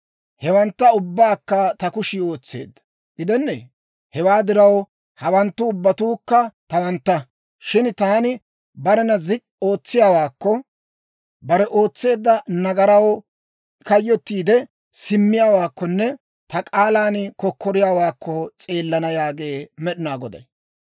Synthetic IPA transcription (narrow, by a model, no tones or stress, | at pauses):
hɛwɐnt̪ːɐʊbːaːkːɐt̪ɐkʊʃɪo̞ːt͡sːe̞̰ːd̪ːɐ̥ | ɡɪd̪ɛnːḛ | hɛwaːd̪ɪɾɐw | hɐwɐnt̪ːʊʊbːɐt̪uːkːɐt̪ɐwɐnt̪ːɐ | ʃɪnt̪aːnɪ | bɐɾɛnɐzɪkʼ | o̞ːt͡sːɪjaːwaːkːɔ | bɐɾɛʔo̞ːt͡sːe̞ːd̪ːɐnɐɡɐɾɐw | kɐjːɔt̪ːiːd̪ɛ | sɪmːɪjaːwaːkːɔnːɛ | t̪ɐkʼaːlaːnkɔkːɔɾɪjaːwaːkʰːɔt͡sʼe̞ːlːɐnɐjaːɡe̞ːmɛɗɪnaːɡɔd̪ɐ̰j